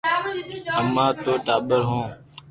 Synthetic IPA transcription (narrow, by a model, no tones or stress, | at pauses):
əmãːt̪oːʈaːɓəɾɦõː